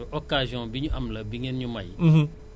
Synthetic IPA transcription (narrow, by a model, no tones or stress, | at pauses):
ɔkaʒjɔ̃biɲamlabiɲẽnɲumaj